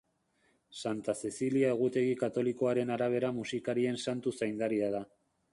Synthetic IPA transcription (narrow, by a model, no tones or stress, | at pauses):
sant̪ase̞siliae̞ɣ̞ut̪e̞ɣ̞ikat̪o̞liko̞aɾe̞naɾaβ̞e̞ɾamusikaɾie̞nsant̪usajnd̪aɾiað̞a